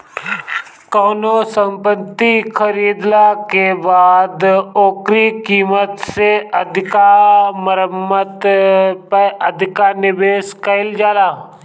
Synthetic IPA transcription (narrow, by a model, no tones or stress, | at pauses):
kɔːnosəmpət̪ːikʰəɾiːd̪lakebaːd̪oːkɾikiːmət̪seəd̪ʱɪkaməɾəmːət̪pəəd̪ʱɪkanɪbeːskɐɪld͡ʒaːlaː